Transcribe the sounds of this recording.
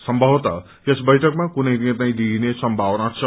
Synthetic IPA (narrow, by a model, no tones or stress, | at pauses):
sʌmbʱʌʋt̪a̰ | jesbʌjʈʰʌkmakunəjd̪iẽt̪̬ãĩd̪inesʌmbʱawnat͡sʰʌ